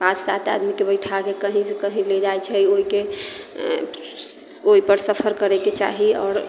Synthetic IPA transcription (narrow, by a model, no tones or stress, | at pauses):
pad͡ʒsat̪a̰d̪mikebəɪʈʰakekəɦĩsekəɦĩled͡ʒaɛt͡ʃʰɛioike | oipəɾsəpʰəɾkəɾɛket͡ʃa̰ɦiɔ̰ːɾ